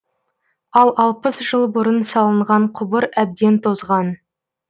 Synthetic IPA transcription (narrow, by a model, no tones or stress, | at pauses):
ɑlˠɑlˠpəsʒ̥əlˠbʊɾənsɑlˠəɴʁɑɴqʰʊbəɾæb̚d̪e̞nt̪ʰozʁɑn